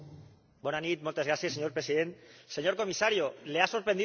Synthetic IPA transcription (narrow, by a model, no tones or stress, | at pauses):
bɔnanit̪̚molt̪ezɣɾasjesːeɲoɾpɾesiðent̪seɲoɾkomisaɾjoleasoɾpɾend̪i